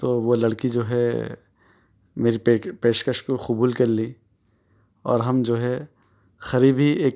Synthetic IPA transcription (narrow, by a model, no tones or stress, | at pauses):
t̪oːʋolɐɽkid͡ʒoːɦɛ | meːɾiepeːʃkəʃkoxʊbuːlkɐɾli | ɔ̰ːɾɦɐmd͡ʒoːɦɛ | xɐɾiːbʱieːk